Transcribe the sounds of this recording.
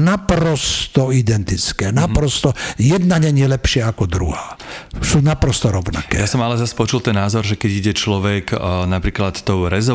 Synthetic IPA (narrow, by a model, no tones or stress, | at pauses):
napɾɔst̪ɔid̪ɛnt̪it͡skɛːnapɾɔst̪ɔjɛd̪naɲɛɲɪɛlɛpʃɪaakɔd̪ɾṵɦaːsuːnapɾɔst̪ɔɾɔʊna̰kɛ̰jasɔmalɛzaspɔt͡ʃult̪ɛnːaːzɔɾʒɛkɛɟiɟɛt͡ʃlɔʋɛknapɾiːklat̪ːɔʊɾɛzɔ